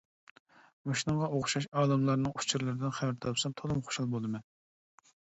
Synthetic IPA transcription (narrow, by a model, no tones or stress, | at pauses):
moʃnɨŋʁɑʔoχʊʃɑʃɑːlˠɨmlˠɑɾnɨŋu̥t͡ʃʰuɾlˠɨɾɨd̪ɪnχævæɾt̪ʰɑpsɑmt̪ʰɑlˠɨmχo̥ʃɑlˠbolˠd̪ɨmɛ